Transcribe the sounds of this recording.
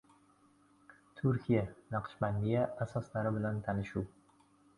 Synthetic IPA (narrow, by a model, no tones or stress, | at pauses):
t̪ʰʊɾkʲʰijanɑqʰʃbanːijaːsɒslaɾɪbɪlant̪ʰanɪʃuw